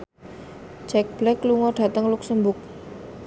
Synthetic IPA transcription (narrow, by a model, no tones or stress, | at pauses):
d͡ʒɛk̚b̥lɛkluŋɔɖ̥a̤t̪əŋlʊksəmbʊk̚